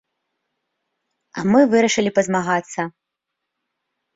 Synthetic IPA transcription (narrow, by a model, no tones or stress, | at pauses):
ɐ̰mɨvɨɾɐʂɨlʲipɐzmaɣat̪sːɐ